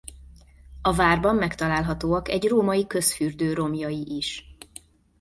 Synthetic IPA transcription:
ɒvaːrbɒmːɛkt̪ɒlaːlɦɒt̪oːɒkɛɟroːmɒjikø̞sfyːrd̪øːɾo̞mjɒjiʔiʃ

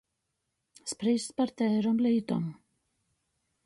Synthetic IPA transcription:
spɾejst̪paɾ̥t̪ɛɾɔmlejt̪ɔ̰m

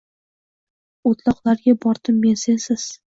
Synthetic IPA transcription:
ot̪lˠɒqlˠaɾɡʲabɒɾd̪̥ɪmːe̞nsensɪz̥

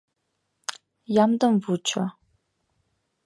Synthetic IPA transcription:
jamdɐmvut͡ɕʰa

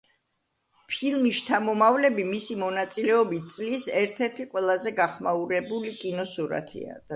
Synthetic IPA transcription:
pʰilˠmiʃt͡ʃʰamɔmavlɛbimisimɔnat̪sʼilɛɔbitt̪sʼlisɛɾt̪ʰɛɾt̪ʰiqʼwɛlˠazɛɡaχmauɾɛbulikʼinɔsuɾa̰t̪ʰḭa̰d̪

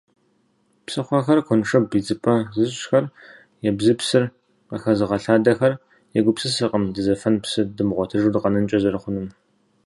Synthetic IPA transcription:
psɨχʷɐxɐrqʷʰɔnʂɐbid͡zɨpʰʼɐzɨɕxɐr | jɛbzɨpsɨr | qɐ̰xɐzɨʁɐɬaːdɐxɐr | jɛɡʷʊpsɨsɨqʼəmdɨzɐfɐnpsɨdɨmʁʷɔtʰɨʒuːdɨqɐnɨnt͡ʃʼɐzɐɾɨχʷʊnɨm

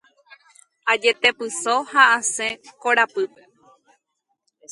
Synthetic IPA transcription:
ad͡ʒe̞t̪e̞pɨsohaʔãsẽkoɾapɨpe

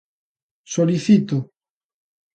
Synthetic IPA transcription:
soliθit̪o

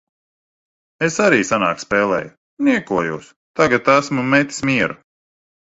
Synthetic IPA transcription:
esaɾiːsana̰ːkspeːlˠɛ̰ːju | nʲiɛkuɔjuːs | t̪aɡat̪æsmumɛt̪ʲi̥smiɛɾu

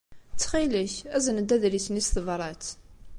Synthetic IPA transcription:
t͡sːχiləçæzənəd̪ːæðɾiθnisθəvrˤɑt͡s

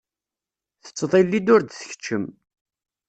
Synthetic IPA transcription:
θə̥t͡sːðˤilːid̪ʊɾd̪θə̥çə̥t͡ʃːəm

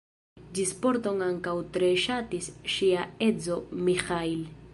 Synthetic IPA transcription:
d͡ʒispo̞ɾto̞ŋaŋkawtɾe̞ʃatisʃiae̞d͡zo̞mixajl

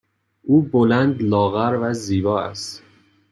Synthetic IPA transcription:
ʔuːbolænd̪lɒːɣæɾvæziːbɒːæ̰st̪

